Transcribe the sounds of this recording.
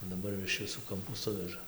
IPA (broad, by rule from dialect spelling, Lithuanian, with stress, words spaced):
dɐˈbɐr jɛʊ ɪʃ ʋʲɪˈsuː kɐmˈpuː ˈsʊʋʲɛʒɐ